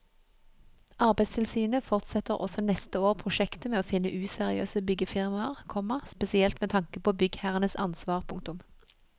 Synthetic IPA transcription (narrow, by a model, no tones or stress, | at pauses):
ʔɑʁbæɪst̪ʰɪlsyːnəfɔʁt̪sɛt̪əʁʔɔ̰sɔnɛst̪əoːʁpʰʁʊʃɛkt̪əmeːoːfɪnəʔʉːsɛʁɪø̰ːsəbʏɡəfɪʁmɑʁkʰɔmɑʁspɛsɪɛlt̪mɛːt̪ʰɑŋkəpoːbʏɡhæːʁənəsɑ̰nsʋɑːʁpʰʊŋk̚t̪ʊm